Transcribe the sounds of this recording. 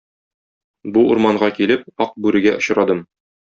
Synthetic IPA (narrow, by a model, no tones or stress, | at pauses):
buuɾmɑɴɢɑkilɘp̚ɒq̚bʉɾɘ̆ɡæʔŏɕɾɑd̪ɤm